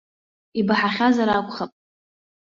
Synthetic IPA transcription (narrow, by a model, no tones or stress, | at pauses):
ibaħaχʲazaɾakʷʼχapʼ